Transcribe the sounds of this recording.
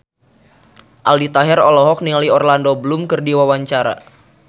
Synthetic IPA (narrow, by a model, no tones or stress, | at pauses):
ʔaldit̪aɦɛɾɔlɔɦɔk̚niliɔrlandobəlumkərdiwawaɲt͡ʃaɾa̰